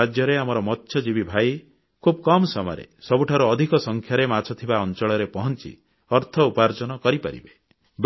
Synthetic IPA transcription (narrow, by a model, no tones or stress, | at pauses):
ad͡ʒjɔɾeamɔɾɔmɔt̪ʰːʃjɔd͡ʒibibʱaj | kʰubɔkɔmsɔm̰ɾḛsɔbuʈʰaɾuɔd̪ʱikɔsɔŋkʰjaɾemat͡ʃʰɔt̪ʰibaɔnt͡ʃɔɭɔɾepɔɦɔnt͡ʃḭ | ɔɾt̪ʰɔupaɾd͡ʒɔnɔkɔɾipa̰ɾḭbe | b